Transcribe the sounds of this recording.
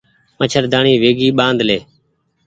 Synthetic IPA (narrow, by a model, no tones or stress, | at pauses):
mət͡ʃʰəɾd̪ʱaːɳiːʋeːɡiːɓãːnd̪leː